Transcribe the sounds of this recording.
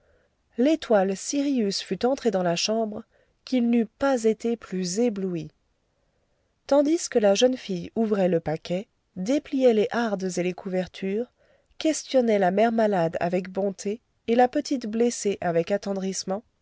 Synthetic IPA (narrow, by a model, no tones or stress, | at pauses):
let̪walsiʁiysfyt̪ɑ̃t̪χed̪ɑ̃laʃɑ̃bʁ | kʲilnypazet̪eplyzeblui | t̪ɑ̃d̪iskəlaʒənfijuvʁɛləpakʲɛ | d̪eplijɛleʔaʁd̪zelekʰuvɛʁt̪ʰyːʁ | kʲɛst̪jɔnɛlamɛʁmalad̪a̰vɛkbɔ̃t̪ʰeː | lapət̪it̪bleseʔavɛkat̪ɑ̃d̪ʁismɑ̃